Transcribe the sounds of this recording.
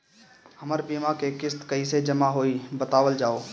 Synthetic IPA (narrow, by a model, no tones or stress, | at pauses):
həməɾbiːmakekɪst̪kəɦised͡ʒəmaɦoːibət̪aːʋəld͡ʒaːoː